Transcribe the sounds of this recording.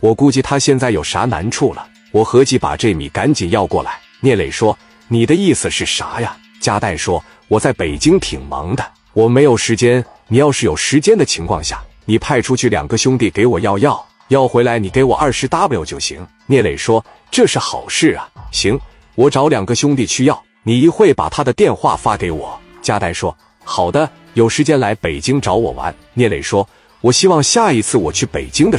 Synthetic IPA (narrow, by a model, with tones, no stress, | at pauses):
wɔ˨˩ku˥t͡ɕi˥˩t̪ʰa˥ɕjɛ˥˧nt͡sa˥˩ɪjo˨˩ʊʂa̰˧˥na̰˧˥nʈ͡ʂʰu˥˩lə̰˩ | wɔ˨˩xɤ˧˥t͡ɕi˧˥˩pa̰˨˩ʈ͡ʂɤ˥˩mḭ˨˩ka˧˥nt͡ɕi˨˩njɑ˥˧ʊkwɔ˥˩la̰˧˥ɪnjɛ˥˩le˨˩ɪʂwɔ˥ | ni˨˩d̪ə˦i˥˩s̩˨˩ʂɻ̩˥˩ʂa˧˥ja˧ | t͡ɕja˥t̪a˥˩ɪʂwɔ˥ | wɔ˨˩t͡sa˥˩ɪpe˨˩ɪt͡ɕi˥ŋt̪ʰi˨˩ŋmɑ̰˧˥ŋd̪ə˧ | wɔ˨˩me˧˥ɪjo˨˩ʊʂɻ̩˧˥t͡ɕjɛ˥n | ni˨˩jɑ˥˧ʊʂɻ̩˥˩jo˨˩ʊʂɻ̩˧˥t͡ɕjɛ˥nd̪ə˨t͡ɕʰi˧˥ŋkʰwɑ̰˥˧ŋɕja̰˥˩ni˨˩pʰa˥˧ɪʈ͡ʂʰu˥t͡ɕʰy˥˩ljɑ̰˨˩ŋɡə˦ɕjʊ˥ŋt̪i˥˩ke˧˥ɪwɔ˨˩jɑ˥˧ʊjɑ˥˩ʊ | jɑ˥˩ʊxwe˧˥ɪla˧˥ɪni˨˩ke˧˥ɪwɔ̰˨˩ʔɐ˞˥˩ʂɻ̩˧˥t̪a˥pjo˧˥ʊt͡ɕjo˥˧˩ʊɕḭ˧˥ŋ | njɛ˥˩le˨˩ɪʂwɔ˥ | ʈ͡ʂɤ˥˧ʂɻ̩˥˩xɑ̰˨˩ʊʂɻ̩˥˩ɐ˩ɕi˧˥ŋ | wɔ˨˥˩ʈ͡ʂɑ˧˥ʊljɑ˨˩ŋɡə˦ɕʊ˥ŋt̪̬i˥˩t͡ɕʰy˥jɑ˥˩ʊ | ni˨˩i˧˥xwe˥˩ɪpa̰˨˩t̪ʰa˥d̪ə˨t̪jɛ˥˧nxwa̰˥˩fa˥ke˧˥ɪwɔ̰˨˩˦ | t͡ɕja˥t̪a˧˥ɪʂwɔ˥ | xɑ˨˩ʊd̪ə˦ | jo˨˩ʊʂɻ̩˧˥t͡ɕjɛ˥nla˧˥ɪpe˨˩ɪt͡ɕi˥ŋʈ͡ʂɑ˧˥ʊwɔ̰˨˩wa̰˧˥n | njɛ˥˩lḛ˨˩ɪʂwɔ˥ | wɔ˨˩ɕi˥wɑ˥˧ŋɕja˥˩i˧˥t͡sʰɹ̩˥˩wɔ˨˩t͡ɕʰy˥˩pe˨˩ɪt͡ɕi˥ŋd̪ə˨